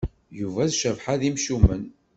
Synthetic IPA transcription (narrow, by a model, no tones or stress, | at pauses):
juvæðʃəvħaðimʃumən